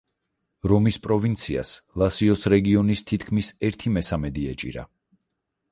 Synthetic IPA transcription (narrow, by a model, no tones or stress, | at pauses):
ɾɔmispʼɾɔvint̪sʰia̰slˠasiɔsɾɛɡiɔnist̪ʰit̪ʰkʰmisɛɾt̪ʰimɛsamɛd̪iɛt͡ʃʼḭɾa̰